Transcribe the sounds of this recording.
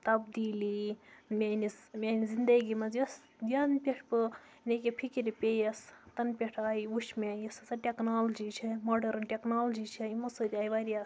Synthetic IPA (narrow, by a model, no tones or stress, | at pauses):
t̪ɐbd̪iːlimʲanismʲanizind̪ɐɡimɐzjɐs | d̪anpʲeʈʰpɨ | nekepʰikiɾipʲejɐst̪ɐnpʲeʈʰaːiuʃʰmajɐsɐsɐʈʲeknaːlɐd͡ʒit͡ʃʰimoɖɐɾnʈʲeknaːld͡ʒit͡ʃʰɐimɐsot̪iajʋaɾias